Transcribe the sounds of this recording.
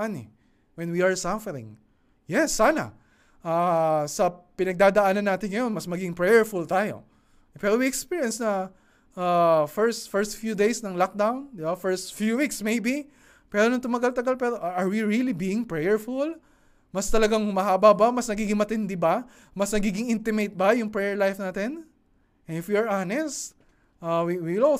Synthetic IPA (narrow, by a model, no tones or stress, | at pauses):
ɐnɛ̰ | wɛnwiɐɹsafɛɾɪ̰̃ŋ | jɛsːaːnɐ̰ | ʔaːsɐpɪnɐɡ̚d̪aːd̪ɐʔaːnɐnːaːt̪ɪnŋɐjo̞nmɐsmɐɡiːɡɪŋpɹɛjɛɹfʊlt̪aːjo̞̰ | pɛːɾowiɛkspiɹjɐnsnɐ | ʔafɛɹst̪fɛɹst̪fjuːd̪ejsnɐŋlak̚d̪awnd̪ɪbafɛɹst̪fjuwiksmejbi | pɛːɾonʊŋt̪ʊmɐɡalt̪ɐɡalpɛːɾoʔʔɐɹwiɹilibiːjɪŋpɹɛjɛɹfʊl | mɐst̪ɐlɐɡaŋhʊmɐɦaːbabamɐsnɐɡiːɡɪŋmɐt̪ɪnd̪ɪbɐ | mɐsnɐɡiːɡɪŋʔɪnt̪ɪmejt̪̚bɐjʊŋpɹɛjɛɹlajfnaːt̪ɪn | ɪfjuɐɹʔanɛst̪ | ʔawiwilo